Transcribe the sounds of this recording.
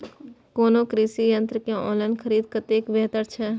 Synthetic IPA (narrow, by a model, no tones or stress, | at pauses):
koːnokɾiːsijə̃nt̪ɾəkeo̰ːlənkʰəɾiːd̪̚kɐt̪eːkʋɛɦt̪əɾt͡ʃʰɛ